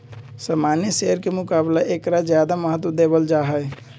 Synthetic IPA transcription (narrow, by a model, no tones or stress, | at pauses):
samanjəseɦəɾkemʊkablaʔekɾad͡ʒjad̪aməɦət̪̬wəd̪ebəld͡ʒaɦəj